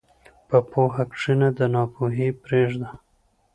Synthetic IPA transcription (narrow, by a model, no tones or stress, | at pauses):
pəpoɦakʂinad̪ənɑpoɦipɾeʐd̪a